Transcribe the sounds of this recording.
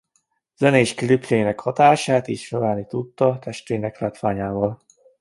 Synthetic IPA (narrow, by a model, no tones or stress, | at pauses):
z̥ɛneːʃkiliplejinɛkhɒt̪aːʃaːt̪eːʃføvaːnit̪ut̪ːɒt̪ɛʃt̪veːnɛklaːt̪ʋaːɲaːvɒl